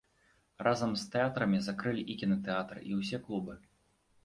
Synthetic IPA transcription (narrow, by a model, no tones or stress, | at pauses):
rʔazɐmst̪ɛat̪ɾɐmʲizakɾɨlʲiʔikʲinɐt̪ɛat̪ɾɨ̰ʔiwsʲɛklˠubɨ